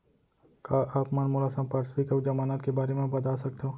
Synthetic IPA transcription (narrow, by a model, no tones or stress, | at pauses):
kaːʔaːpmɐnmoːlasãmpaːɾsbikɐd͡ʒɐmaːnaːt̪kebaːɾemẽbɐd̪aːsɐk̚t̪eɦõː